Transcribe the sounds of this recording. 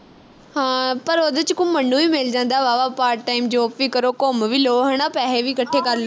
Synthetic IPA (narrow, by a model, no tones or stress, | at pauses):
pɐɾod̪ət͡ɕɪkʊ̃ːɐnuimeːld͡ʑãːn̆d̪aːʋaːʋapaːɾʈʈaːɪmd͡ʑoːpʋikɐɾokoːmʋɪloɦɐɽ̃apɛɦeʋʱikɐʈʰekɐɾlo